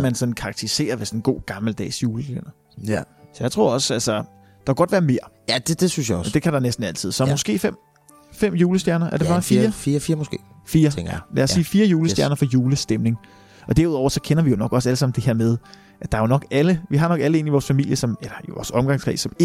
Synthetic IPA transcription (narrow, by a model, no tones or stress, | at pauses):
mænsɒ̽nn̩kʰɑ̈ɡ̚t͡sʰe̝ʁise̝̰ːɐʋesɒ̽nɡ̥o̝̰ːɡ̥ɑ̈ml̩d̥ɛ̰ːsjuːləsd̥jæɐnɐ | sɒjäɪt͡sʰʁo̝ɐ̰ɒ̽sælsɐ | d̥ɑ̈kʰːɡ̥ɒ̽d̥ʋæːɐme̝ːɐjæd̥ed̥esynsjaɒd̥ekʰæd̥ɑ̈nesd̥n̩æl̰t͡sʰið̞̰ˠsɒmosɡ̥e̝̰ːfem̰ | fem̰juːləsd̥jæɐnɐʔæɐd̥ebɑ̈fiːɐfiːɐfiːɐmosɡ̥e̝̰ːfiːɐlæ̰æɐsːiːfiːɐjuːləsdjæɐnɐfɒ̽juːləsd̥emne̝ŋ | ʔɒ̽d̥æɐuð̰ˠɒ̰ʊ̰ɐsɒ̽kʰenɐʋijo̝nɒ̽ɡ̥ɒ̽s̬æləsɑ̈mn̩d̥eheɐ̰með̞ˠ | ʔæd̥ɑ̈æjo̝nɒ̽ɡ̥æləʋiɦɑ̈nɒ̽ɡ̥æləe̝ːniʋɒːsfæmil̰jəsɒ̽melɐiʋɒ̰ːsɒ̽mɡ̥ɑ̈ŋsʁḭːsːɒ̽m